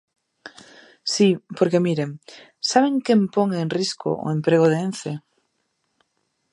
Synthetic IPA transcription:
sipoɾke̞miɾem | saβ̞e̞ŋkempoŋenrisko̰ʔo̰empɾeɣ̞oð̞eenθe

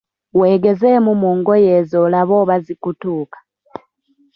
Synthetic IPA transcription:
weːɡezemumuːŋɡojezolaβoβazikutuːkḁ

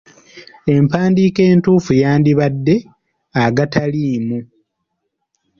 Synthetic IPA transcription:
e̞mpaːndiːke̞ːntuːfujaːndiβadːe̞ | aɡataliːmu

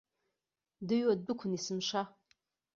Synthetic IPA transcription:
dɨɥwad̚bɨkʷʰʊnisɨmʃa

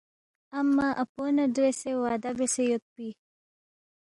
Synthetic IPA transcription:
amːaʔaponadɾesewɑːd̪abesejot̪̚pi

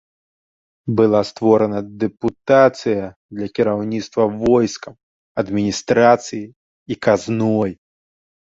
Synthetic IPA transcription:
bɨlˠast̪vɔɾɐnɐd̪ɛput̪at̪sɨjɐd̪lʲɐkʲiɾawnʲit̪st̪vɐvɔjskɐm | ɐd̪mʲinʲist̪ɾat̪sɨjiː | kaznɔj

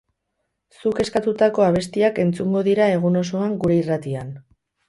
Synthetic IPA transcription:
suke̞skat̪ut̪ako̞aβ̞e̞st̪iake̞nt͡suŋɡo̞ðiɾae̞ɣ̞uno̞so̞aŋɡuɾe̞irat̪ian

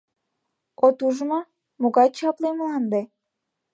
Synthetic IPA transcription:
ot̪uʒmo | moɣɑt͡ɕɑpleməlɑnd̪e

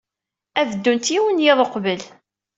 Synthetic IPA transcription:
ævəd̪ːunt̪jiwənjɪðˤəqvəl

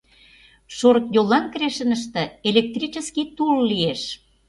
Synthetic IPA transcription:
ʃoɾək̪jolːɑnkɾeʃə̆nəʃ̬t̪ĕelʲek̚t̪rit͡ɕə̆skit̪ullieʃ

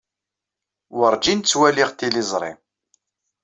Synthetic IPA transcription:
wəɾˤd͡ʒint͡sːwæliʁt̪ilizˤɾˤɪ̰m

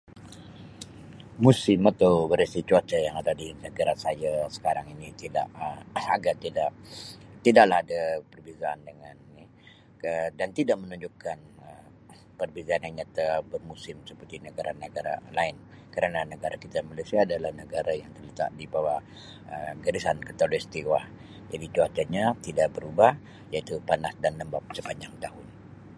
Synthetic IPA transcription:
musɪmat̪awbəɾesit͡ʃ̪uat͡ʃajaŋadadinəɡaɾasajasə̥kaɾaŋinit̪ida̰ʔəaɡat̪idaʔt̪idaʔlahɦadapərbizaːndəŋanni | ədant̪idaʔmənuɲd͡ʒukanə | pərbizaːnaŋɲat̪abərmusɪmsəpərt̪inəɡaɾʔanəɡaɾa̰laɪn | kaɾananəɡaɾakit̪amalasiaːdalahnəɡaɾajaŋt̪ərlət̪a̰ʔdibawa | əɡaɾisankət̪alɛst̪iwah | d͡ʒadit̪uat̪aɲat̪idaʔbəɾubah | jait̪upanasdanːəmbap̚səbaɲaŋ̚t̪ahʊn

